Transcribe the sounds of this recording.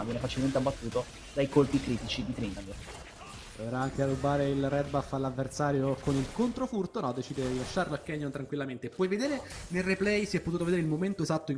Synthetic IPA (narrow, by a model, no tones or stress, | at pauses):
vjɛnefat͡ʃilment̪eabːat̪ːuːt̪o | d̪ajkolpikɾiːt̪it͡ʃid̪it̪ɾinlaŋɡ̪o | ɛɾaaŋkearːubːaːɾeilrɛd̪̚bafːalavːersaːɾjokonilkont̪ɾofurt̪onɔd̪ːet͡ʃiːd̪eilaʃːaɾloakːɛɲːont̪ɾaŋkwilːament̪eːpːwɔjved̪eːɾenelrːeplɛjsiɛpːot̪uːt̪oved̪eɾeilmoment̪oezat̪ːoiŋ